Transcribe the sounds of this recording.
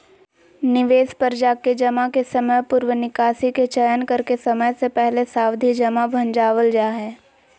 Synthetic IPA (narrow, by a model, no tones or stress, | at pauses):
nɪʋeːspəɾd͡ʒaːked͡ʒɐmakesɐməjpʊɾwənɪkaːsiket͡ʃəjənkɐɾkesɐməjsepɛɦlesaːwd̪ʱid͡ʒɐmabʱɐ̃nd͡ʒaːʋəld͡ʒaːɦɛː